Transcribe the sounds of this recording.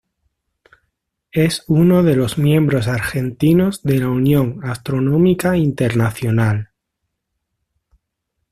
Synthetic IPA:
e̞suno̞ðe̞lo̞zmjẽ̞mbɾo̞s̬aɾxe̞nt̪ino̞zðelaunjõ̞ŋast̪ɾo̞nõmikaint̪e̞ɾnaθjo̞nal

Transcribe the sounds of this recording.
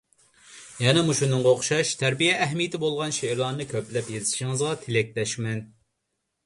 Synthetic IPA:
jɛnɛmuʃunɨŋʁɑoχʃɑʃt̪ʰæɾbijɛːɦmijɪt̪ʰɪbolˠʁɑnʃeɾlˠɑnɨnɨkʲʰøplɛpjezɪʃiŋɨzʁɑt̪ʰelɛk̚ʲlɛʃmɛn

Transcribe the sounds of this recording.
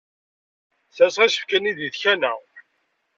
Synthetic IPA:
θæsʁisə̥fkæniðiðçænæ

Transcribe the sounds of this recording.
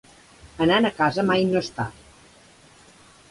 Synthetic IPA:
ənanəkazəmajnost̪a

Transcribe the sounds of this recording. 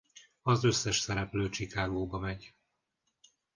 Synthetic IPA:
ɒzø̞sːɛʃsɛɾɛpløːt͡ʃikaːɡoːbɒmɛɟ

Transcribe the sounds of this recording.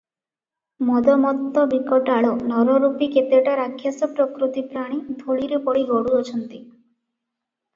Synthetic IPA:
mɔd̪ɔmɔt̪ːɔbikɔʈaɭɔnɔɾɔɾupiket̪eʈaɾakʰjasɔpɾɔkɾut̪ipɾaɽ̃id̪ʱoɭiɾepɔɽiɡɔɽuɔt͡ʃʰɔnt̪i

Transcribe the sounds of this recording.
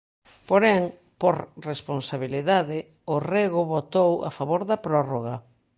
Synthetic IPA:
poɾɛŋ | poɾresponsaβiliðaðɪ | oreɣʊβot̪owa̰faβoɾðɐpɾɔroɣɐ

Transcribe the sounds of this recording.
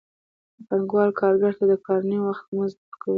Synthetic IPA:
əpaŋɡwɑlkʰɑɾɡaɾt̪ad̪əkɑɾanəjwaxt̪mənzəɾkʰaw

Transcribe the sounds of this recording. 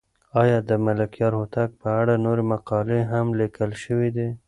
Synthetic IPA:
ɑjɑd̪əmalakjɑɾhot̪ak̚pəaɽanoɾemaqɑleɦamlikəlʃəwid̪e

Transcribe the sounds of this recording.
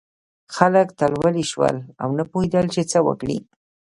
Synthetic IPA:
xalakt̪alwalɪʃwa̰la̰wnapʊjd̪alt͡ʃet͡sawa̰kɽḭ

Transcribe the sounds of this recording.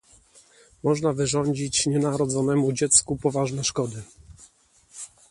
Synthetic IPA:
mɔʐnavɘʐɔɲd͡ʑit͡ɕɲɛnaɾɔd̪zɔnɛmud͡ʑɛt̪skupɔvaʐnɛʂkɔd̪ɘ

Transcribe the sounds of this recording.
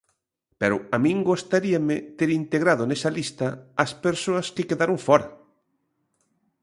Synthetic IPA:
pɛɾʊamĩŋɡost̪aɾiɐmɪt̪eɾint̪eɣɾaðonɛsɐlist̪ɐɐspeɾsoɐskɪkeðaɾʊŋfɔɾɐ

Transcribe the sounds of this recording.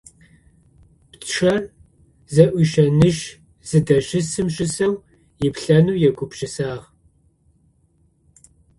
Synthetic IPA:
pʈ͡ʂʰɐr | zɐʔʷʊʃɐnɨʒ | z̥ɨdɐɕɪsɨmʒɪsɐw | jɪpɬɐnuːjɛɡʷʊpʃɪsaːʁ

